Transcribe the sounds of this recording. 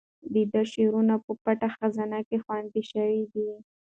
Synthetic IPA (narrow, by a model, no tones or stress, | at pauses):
d̪id̪aʃeɾunapəpaʈaxazanakexwant̪iʃəwid̪i